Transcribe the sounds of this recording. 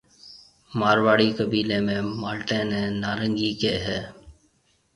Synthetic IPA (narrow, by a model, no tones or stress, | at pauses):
maːɾʋaːɽiːkəbiːlẽːmẽːmaːlʈẽːnẽːnaːɾəŋɡiːkeːɦɛː